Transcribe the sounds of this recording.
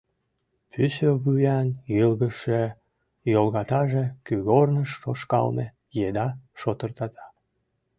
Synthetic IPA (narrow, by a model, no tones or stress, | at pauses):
pʰysøβujɑnjəlɣəʃe | jolɣɑt̪ɑʒekyɣornəʃːoʃkɑ̰lne | jed̪ɑʃot̪ərt̪ɑt̪ɑ̥